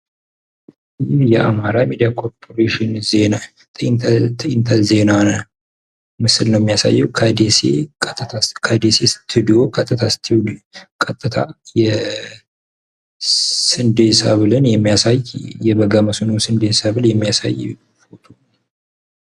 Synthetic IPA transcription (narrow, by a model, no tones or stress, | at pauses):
jɪhjɛʔa̰maɾamed̪ijakʰo̞ɾpʰoɾeʃɪnze̞na | t̪ʼt̪ʰɪnt̪ʰaze̞nan | mɨsɨlnəwjɛmːijasa̰jːɛwkʰəd̪esḛt̪ʼːt̪ʰakʰəd̪esest̪ʰːɨd̪ijo̞kʼət̪ʼːɨt̪ʰast̪ʰwkʼət̪ʼːɨt̪ʰajɛ | sɨnd̪esa̰βlɨnjɛmːijasajjɛβəɡaməsunuwsɨnd̪esaβɨljɛmːijasa̰j | bot̪ʰo